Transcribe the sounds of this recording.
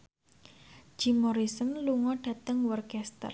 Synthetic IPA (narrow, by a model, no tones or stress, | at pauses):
d͡ʒ̥imɔɾisənluŋɔɖ̥ä̤t̪əŋwɔrkɛst̪ə̰r